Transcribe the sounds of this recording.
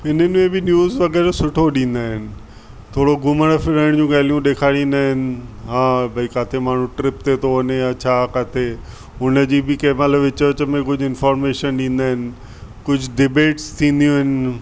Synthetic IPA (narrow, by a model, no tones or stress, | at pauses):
ɪnənɪ̆mẽbɪnjuːzʋɐɡɛːɾsʊʈʰoɗĩːnd̪aːɦɪnɪ̆ | t̪ʰoːɽoɡʊməɽ̃əfɪɾəɪɽ̃d͡ʑũːɡaːlijũɗeːkʰaːɽ̃ĩnd̪aːɦɪnɪ̆ɦãːbʱɐikaːt̪ʰemaːɳ̤ũʈɾɪp̚t̪et̪ʰoʋɐneat͡ɕʰakaːt̪ʰe | ʊnəd͡ʑiːbɪkemət̪ləbɪt͡ɕəɾt͡ɕəmẽkʊd͡ʑʱɪnfɔːɾmeːʃənɗĩːn̆d̪aːɦɪnɪ̆ | kʊd͡ʑʱɖɪbeːʈst̪ʰĩːn̆d̪ijũɦɪnɪ̆